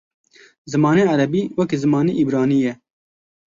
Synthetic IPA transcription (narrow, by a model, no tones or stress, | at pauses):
zɨmɑːneːaɾɛbiːwɛkezɨmɑːnḭʔibɾɑːniːjɛ